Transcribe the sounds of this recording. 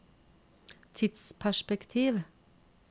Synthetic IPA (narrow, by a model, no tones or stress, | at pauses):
t̪ʰɪt̪spʰæʃpɛkt̪ʰiːʋ